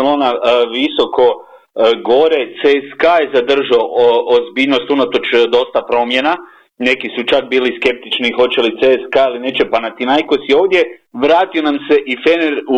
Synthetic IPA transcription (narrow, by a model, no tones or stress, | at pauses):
lo̞ːnaʋiso̞kʰo̞ | ɡo̞ɾe̞t̪seskajezad̪r̩ʒoozbiːʎno̞st̪unat̪o̞t͡ʃd̪o̞st̪apɾo̞mje̞na | ne̞kisut͡ʃakbiːliske̞p̚t̪it͡ʃnixo̞t͡ɕe̞lit̪seskailine̞t͡ʃe̞panat̪inajkosio̞ːʋd̪je̞ʋɾaːt̪io̞namse̞ʔifeneɾu